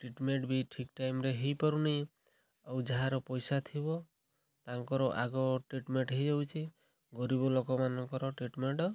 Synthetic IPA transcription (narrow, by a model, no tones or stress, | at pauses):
ʈɾiʈmeɳʈbiʈʰikʈajmɾeɦejpɔɾuni | awd͡ʒaɦaɾɔpɔjsat̪ʰibɔ | t̪aŋkɔɾɔʔaɡɔʈɾiʈmeɳʈɦejd͡ʒawt͡ʃʰi | ɡɔɾibɔlokɔmanɔŋkɔɾɔʈɾiʈmeɳʈɔ